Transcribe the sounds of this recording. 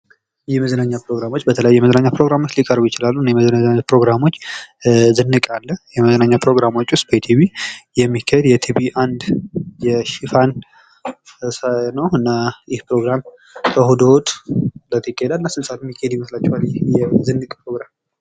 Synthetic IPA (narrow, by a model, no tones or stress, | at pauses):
jɛməzənaɲːapɾo̞ɡɾamo̞t͡ʃːbət̪ʰələjajːjɛməzənaɲːapɾo̞ɡɾamo̞t͡ʃːlikʼəɾbujɪt͡ʃɪlalːunːejməzənaaɲapɾo̞ɡɾamo̞t͡ʃː | zɨnːɨkʼalːəhjɛməzənaɲːapʰɾo̞ɡɾamo̞t͡ʃːwʊst̪̚ʼbət̪ʰibijɛmːikʰːəhed̪jɛt̪ʰibiʔand̪jɛʃifan | sanəwɨnːajɪhpɾo̞ɡɾam | k̪ʰəhud̪o̞t̪ʼlət̪ʰikʼːehed̪alːasɨlsʼat̪mːikʰːahed̪jɪməslat͡ʃːɛwaljɪjɛzɨnːɨkʼpɾo̞ɡɾam